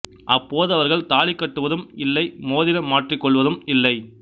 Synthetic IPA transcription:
ʔɐpːoːðɯɐʋɐɾɣɐɭt̪aːɭɪkːɐʈːɯʋɐðɯmɪlːɐɪmoːðɪnɐmaːʈrɪkːɔɭʋɐðɯmɪlːɐɪ

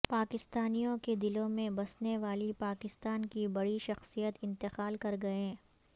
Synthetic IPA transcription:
paːkɪst̪aːnijõked̪ɪlõmẽbɐsneʋaːlipaːkɪst̪aːnkibɐɽiʃɐxsijət̪ɪ̃nt̪ɪqaːlkɐɾɡɐẽː

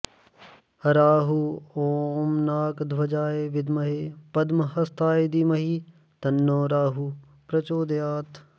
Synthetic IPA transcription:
hɐɾaːɦuoːmnaːkd̪ʱʋɐd͡ʒaːjeʋɪd̪mɐɦepɐd̪mɐɦɐst̪ʰaːjed̪imɐɦi | t̪ɐnːoːɾaːɦu | pɾɐt͡ʃoːd̪jaːt̪

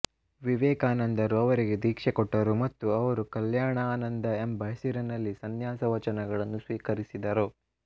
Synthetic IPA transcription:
ʋiʋɛːkaːnɐnd̪ɐɾuɐʋɐɾiɡe̞d̪iːkʂɛkɔʈːɐɾumɐt̪ːuɐʋɐɾukɐljaːɳɐaːnɐnd̪ɐembʱɐɦsiɾɐnɐlːisɐnjaːsɐʋɐt͡ʃɐnɐɡɐɭɐnːusʋiːkɐɾisid̪ɐɾo

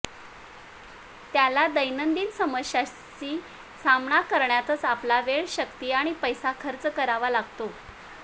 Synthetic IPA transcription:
t̪jalad̪əjnənd̪iːnsəməɕa | t͡ɕiː | samɳakəɾɳjat̪ət͡saplaʋeɭɕəkt̪iːaɽ̃ipəjsakʰəɾt͡skəɾaʋalaɡt̪o

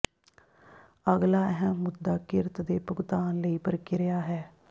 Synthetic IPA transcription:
əɡlaːɛɦɛmːʊd̪ːaːkɪɾt̪d̪eːpəɡt̪aːnləiːpəɾkɪɾɪjaːɦɛː

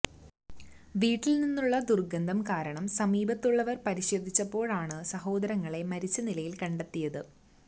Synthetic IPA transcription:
ʋiːʈːilninːuɭːɐd̪urɡɐnd̪ɐmkaːɾɐɳɐmsɐmiːbɐt̪ːuɭːɐʋɐrpɐɾiɕɐd̪ʱit͡ɕːɐpːo̞ːɭaːɳɨsɐho̞ːd̪ɐɾɐŋːɐɭe̞mɐɾit͡ɕːɐnilɐjilkɐɳɖɐt̪ːijɐðɨ

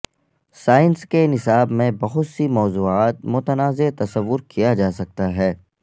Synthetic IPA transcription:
saːɪnskenɪsaːbmẽbɐɦʊt̪simɔːzuːaːt̪̚mʊt̪ənaːzet̪ɐsəʋːʊɾkʰijad͡ʒaːsɐk̚t̪aɦɛː

